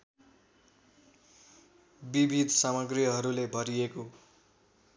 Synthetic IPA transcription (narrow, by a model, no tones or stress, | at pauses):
bibʱid̪ʱsamʌɡrijʌɦʌɾulebʱʌɾieko